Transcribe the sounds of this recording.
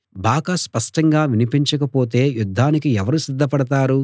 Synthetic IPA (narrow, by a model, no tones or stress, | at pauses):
baːɡaspɐʂʈɐŋɡaːʋinipiɲt͡ʃɐkɐpoːt̪̬e̞ːjud̪ʱːaːnik̬iɛʋɐɾusid̪ʱːɐpɐɽɐt̪aːɾu